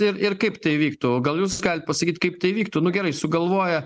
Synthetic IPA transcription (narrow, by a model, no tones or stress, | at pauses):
ɪɾɪrkɐɪpt̪ɐɪʋʲiːkt̪uːɡɐlˠjuːsɡɐlʲɪt̪̚pɐsɐkʲiːt̪ʲkɐɪpt̪ɐɪʋʲiːkt̪uːnʊɡʲɛɾɐɪsʊɡɐlˠʋoːjɛ